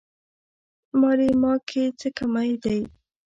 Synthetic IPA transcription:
mɑɾemɑkʰet͡səkamajd̪aj

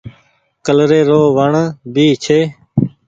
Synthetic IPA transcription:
kəlɾeːɾoːʋəɳbiːt͡ʃʰeː

